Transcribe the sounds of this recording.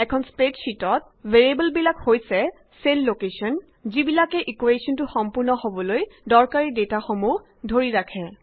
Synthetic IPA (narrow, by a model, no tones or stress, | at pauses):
ɛkʰɔnspetsitɔt̚ | veɹibɔlbilakhojsɛ | selːokesɔn | zibilakɛʔikuesɔntʊxɔmpʊɹnɔhobɔlojdɔɹkaɹidetaxomuɦ | dʱoɹiɹakʰɛ